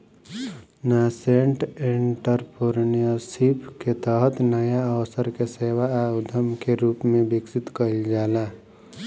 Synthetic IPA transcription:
naseɳʈeɳʈəɾpoɾnijəsipʰket̪əɦət̪nəjaəwsəɾkeseːwaaʊd̪ʱəmkeɾuːpmẽbɪksɪt̪kəɪld͡ʒaːlaː

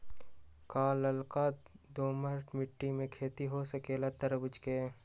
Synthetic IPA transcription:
kaːlɐlkaːd̪oːməɾʈmɪʈːimẽkʰeːt̪iɦosɐkeːlat̪ɐɾbʊd͡ʒkeː

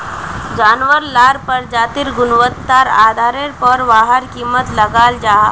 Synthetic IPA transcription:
d͡ʒaːnʋəɾlaːɾpəɾd͡ʒaːt̪iɾɡʊnʋət̪ːaːɾa̰ːd̪ʱaːɾeɾpɔɾʋaːɦəɾkiːmːət̪lɐɡaːld͡ʒaː

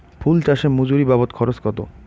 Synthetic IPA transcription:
pʰult͡ɕaʃemud͡ʑuɾibabot̪kʰɔɾoskɔt̪o̰

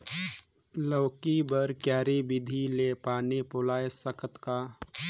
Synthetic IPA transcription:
ləːkibəɾkjaːɾibɪd̪ʱilepaːnipoːlaːesəkʰət̪kaː

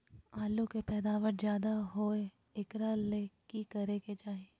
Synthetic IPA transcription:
aːlukepɛːd̪aːʋəɾzjaːd̪aɦoːe | ɪkɾaleːkikɐɾeked͡ʒaːɦie

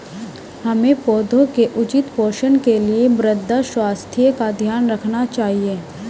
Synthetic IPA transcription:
hɐmẽpɔːd̪ʱõkeʔʊt͡ʃɪt̪poːɾʃənkeliemɾəd̪ʱːaʃwaːst̪ʰijəkad̪ʱjaːnɾɐkʰnat͡ʃaːɦieː

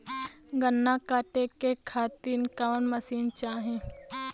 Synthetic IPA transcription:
ɡənːakaːʈekekʰaːt̪inkaʋənməsiːnt͡ʃaːɦẽ

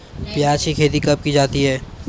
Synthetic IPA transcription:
bjaːʃikʰeːt̪ikɐp̚kid͡ʒaːt̪iɦɛː

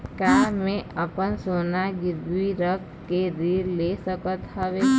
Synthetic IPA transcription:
kaːmẽəpənsoːnaɡɪɾbiɾək | keɾiːɾlesəkət̪ɦəʋeː

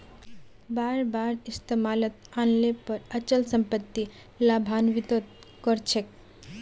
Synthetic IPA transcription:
baɾbaɾist̪ʰemalət̪anlepəɾət͡ɕəlsəmpət̪ːi | labʱanʋit̪ət̪̚ | kəɾt͡ɕʰek̚

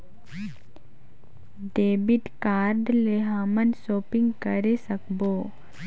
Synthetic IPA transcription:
ɖeːbɪʈkaːɾɖleɦaːmənsoːpɪ̃ŋɡkəɾesəkboː

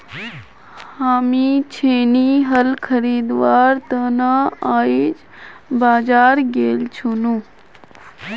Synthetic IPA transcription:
haːmit͡ʃʰeːniɦəlkʰəɾiːd̪ʋaːɾt̪ənaaːid͡ʒ | baːd͡ʒaːɾɡeːlt͡ʃʰunu

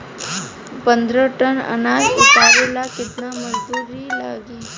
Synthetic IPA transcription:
pənd̪ɾəʈənə̰nalit̪aɾelakit̪naməd͡zd̪uɾiːla̰ɡiː

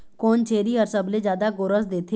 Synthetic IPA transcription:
koːnt͡ʃʰeːɾiɔɾsəbled͡ʒjaːd̪aɡʊɾəsd̪eːt̪ʰe

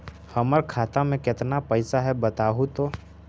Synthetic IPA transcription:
həməɾkʰaːt̪amẽkɪt̪napəɪsaɦɛbət̪aːɦut̪oː

